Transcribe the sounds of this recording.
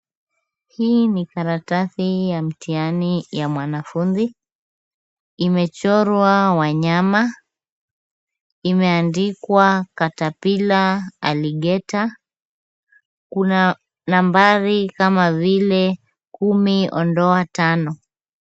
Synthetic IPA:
hiːnikaɾataθijam̩tianijamwanafunzi | imɛt͡ʃɔɾwawaɲama | imɛandikwakatapilaaliɠɛta | kuna | nambaɾikamavilɛ | kumiʔɔ̰ndɔatanɔ

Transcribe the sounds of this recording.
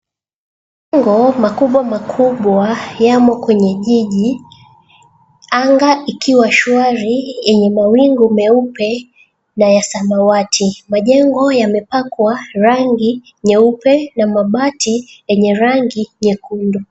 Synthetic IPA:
ɛŋɡɔmakuɓwamakʰuɓwajamɔkwɛɲɛʄiʄi | aŋɡaʔikʰiwaʃuaɾijɛɲɛmawiŋɡumɛupɛ | najasamawatʰimaʄɛŋɡɔjamɛpakwaɾaŋɡi | ɲɛupɛnamaɓatʰijɛɲɛɾaŋɡiɲɛkundɔ

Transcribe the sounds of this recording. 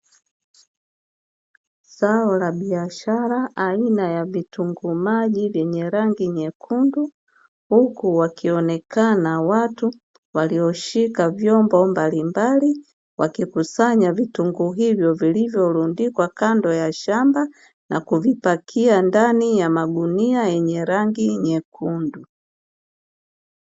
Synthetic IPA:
saɔlaɓiaʃaɾaʔːinajavituŋɡumaʄivjɛɲɛɾaŋɡiɲɛkʰundu | hukuwakʰiɔnɛkʰanawatu | waliɔʃikavjɔmbɔmbalimbali | wakikusaɲavituŋɡuɦivjɔvilivjɔlundikwakandɔjaʃamba | nʔa̰kuvipakʰiandanijamaɡuniajɛɲɛɾaŋɡiɲɛkundu

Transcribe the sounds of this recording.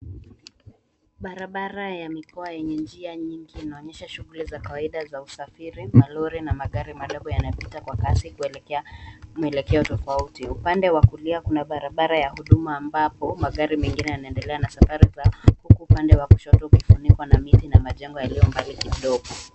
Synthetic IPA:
ɓaɾaɓaɾajamikɔajɛɲɛnd͡ʒiaɲiŋɡiːnaɔɲɛʃaʃuɣulizakawaiɗazausafiɾimalɔɾinamaɠaɾimaɗɔɡɔjanapitakwakasiku | muɛlɛkɛɔtɔfautiupandɛwakuliakunaɓaɾaɓaɾajahuɗumaːmbapɔmaɠaɾimɛŋɡinɛjanaɛndɛlɛanasafaɾizahukuːpandɛwaku̥ʃɔtɔukifunikwanamitinamaʄɛŋɡɔjalijɔmbalikiɗɔɠɔ

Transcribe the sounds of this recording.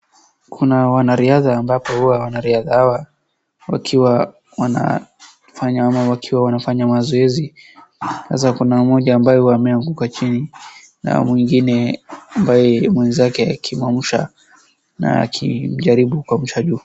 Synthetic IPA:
kʰunawanaɾiaðaːmbapɔhuwawanaɾiaðahawa | wa̰kʰiwa | wana̰ | faɲaamawakʰiwawanafaɲamazɔɛzi | sa̰s̬akunamɔʄaːmbajɛuwaːmɛaŋɡukat͡ʃini | na̰mwiŋɡinɛambajɛmwɛnzakɛakʰimwam̩ʃa̰ | na̰a̰kʰim̩ʄaɾiɓukwam̩ʃaʄuː

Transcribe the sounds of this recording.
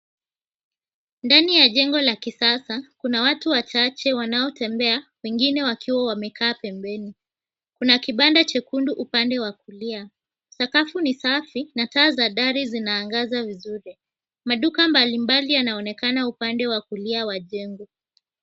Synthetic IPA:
ndanijaʄɛŋɡɔlakisasakunawatuwat͡ʃat͡ʃɛwanaɔtɛmbɛawɛŋɡinɛwakʰiwawamɛkʰaːpɛmbɛni | kunakiɓandat͡ʃɛkunduʔupandɛwakulia | sakafunisafinataːzaɗaɾizinaːŋɡazavizuɾi | maɗukambalimbalijanaɔnɛkanaupandɛwakuliawaʄɛŋɡɔ

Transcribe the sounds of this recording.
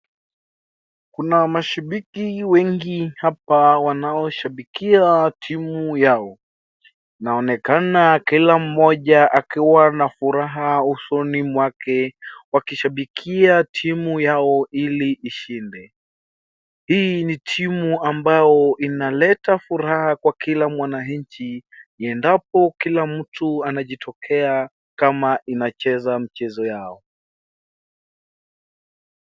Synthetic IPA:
kunamaʃaɓikiwɛŋɡihapawanaɔʃaɓikiatʰimujaɔ | naɔnɛkanakilam̩ːɔʄaʔakiwanafuɾaɦausɔnimwakɛwakiʃaɓikʰiatʰimujaɔiliʔːʃindɛ | hiːnitʰimuambajɔʔinalɛtafuɾahakwakʰilamwanaɲt͡ʃiɛndap̚ɔkilamm̩tuanaʄitʰɔkʰɛa | kamainat͡ʃɛzam̩t͡ʃɛzɔjaɔ

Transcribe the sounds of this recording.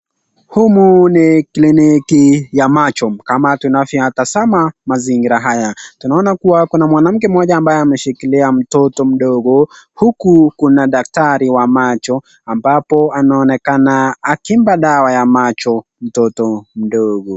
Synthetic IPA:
humuniklinikijamat͡ʃɔkamatunafjiatasamamaziŋɡiɾaɦajatunaɔnakuwakunamwanam̩kɛm̩wɔʄaːmbajɛamɛʃikiliam̩tɔtɔm̩ɗɔɠɔhukukunaɗak̚taɾiwamat͡ʃɔ | ambapɔanaːnɛkanaːkimbaɗawajamat͡ʃɔ | m̩tɔtɔm̩ɗɔɠɔ

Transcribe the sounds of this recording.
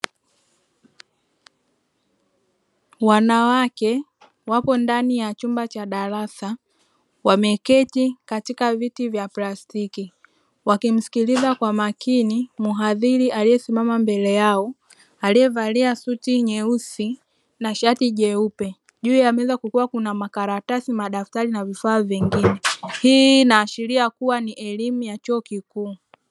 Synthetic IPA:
wanawakɛ | wapɔndanijat͡ʃumbat͡ʃaɗaɾasa | wamɛkɛtikatikavitivjaplastiki | wakim̩si̥kilizakwamakinimuɦaðiɾiʔalijɛsimamambɛlɛjaɔ | aliɛvaliasutiɲɛusi | naʃatiʄɛupɛ | ʄuːjamɛɛzakukuakunamakaɾatasimaɗaftaɾinavifaːvɛŋɡinɛhiːnaːʃiɾiakuwaniʔɛlimujat͡ʃɔːkikuː

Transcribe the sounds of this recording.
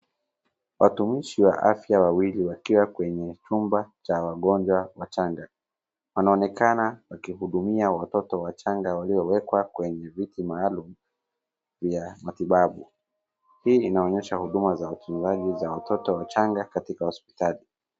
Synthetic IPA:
wʔatumiʃiwa̰ʔa̰fjawawiliwakiwakwɛɲɛt͡ʃumbat͡ʃawaɠɔnd͡ʒwawat͡ʃaŋɡa | wanaɔnɛkanawakihuɗumiawatɔtɔwat͡ʃaŋɡawaliɔwɛkwakwɛɲɛvitimaːlum̩ | vjamatiɓaɓu | hiːinaɔɲɛʃahuɗumazawapinzaʄizawatʰɔtɔwat͡ʃaŋɡakatikahɔspi̥tali

